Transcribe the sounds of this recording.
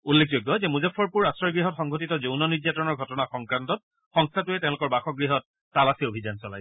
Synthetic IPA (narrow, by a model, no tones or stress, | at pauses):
ulːek̚ʰzojɡːɔzɛmuzapʰːɔɹpuɹastɹɔɹɡɹiɦɔtxɔŋɡʱotitɔzownɔnijatɔɹɔnɔɹɡʱɔtɔnaxɔŋkɹantɔt̚ | xɔŋstʰatʊɛtɛ̃ʊ̃lʊkɔɹbaxɔɡɹiɦɔt̚ː | alasiobʱizansɔlaj